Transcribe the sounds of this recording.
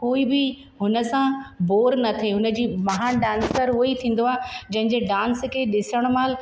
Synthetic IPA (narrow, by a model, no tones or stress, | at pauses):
koːibɪ | ɦʊnə̆sãboːɾnɐt̪ʰeɦʊnə̆d͡ʑiːmɐɦãːnɖãːnsəɾɦʊit̪ʰĩːn̆d̪oaːɦed͡ʑɐ̃ɦɪ̃ɲd͡ʑeɖãːnskʰeɗɪsəɽ̃maːl